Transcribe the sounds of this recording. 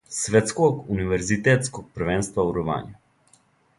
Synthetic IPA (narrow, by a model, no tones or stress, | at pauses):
sʋɛt̪skɔkuniʋɛɾzit̪ɛːt̪skɔk̚pəɾʋɛːnst̪ʋauɾɔʋa̰ːnju